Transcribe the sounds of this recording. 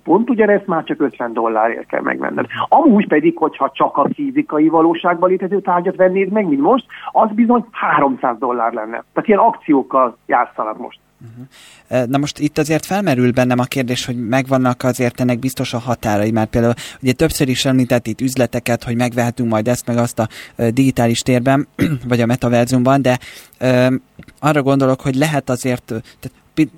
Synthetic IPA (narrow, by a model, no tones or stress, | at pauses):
po̞nt̪uɟɒnɛst̪maːrt͡ʃɒkø̞t̪vɛnd̪o̞lːaːɾḛːlkɛ̰lmɛ̰ɡmɛ̰nːɛ̰d̪ɒmuːɟpɛd̪ikho̞chɒt͡ʃɒkɒfizikɒjivɒloːʃaːɡbɒleːt̪ɛzøːt̪aːrɟɒt̪ʋɛnːeːzmɛɡmint̪mo̞ʃt̪ɒzbizo̞ɲhaːɾo̞msaːzd̪o̞lːa̰ːrlɛnːɛ̰t̪ːaːt̪ijɛnɒkt̪sijoːkːɒlja̰ːtt̪sɒnɒkmo̰ʃt̪̩ɦ̩ | nɒmo̞ʃt̪it̪ːɒzeːrt̪fɛlmɛɾylbɛnːɛmɒkeːrd̪eːʃho̞ɟmɛɡvɒnːɒkɒzeːrt̪ɛnːɛɡ̚bist̪o̞ʃɒɦɒt̪aːɾɒimaːrpeːld̪aːuluɟɛt̪ø̞psøɾiʃɛmmint̪ɛt̪ːit̪ːyzlɛt̪ɛkɛt̪ho̞ɟmɛɡʋɛɦɛt̪yŋkmɒjd̪ɛst̪mɛɡɒst̪ɒd̪iɡit̪aːliʃt̪eːrbɛnvɒɟɒmɛt̪ɒvɛrziumbɒnd̪ɛøː | ɒrːɒɡo̞n̪d̪o̞lo̞kho̞ɟlɛɦɛt̪ɒzeːrt̪t̪at̪ | pi